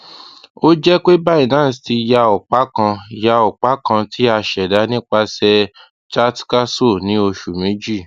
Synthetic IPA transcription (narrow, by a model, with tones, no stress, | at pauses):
o˦d͡ʒɛ˦k͡pe˦ba˦i˦˨nãː˦˨sti˧ja˧ɔ˨k͡pa˨˦kã˧ja˧ɔ˨k͡pa˨˦kã˧tʰi˦a˧ʃɛ˨da˨˦nĩ˦k͡pa˧sɛ˧ | t͡ʃa˦tka˦so˦˨nĩ˨˦o˧ʃu˨mĩ˨˦d͡ʒi˦˨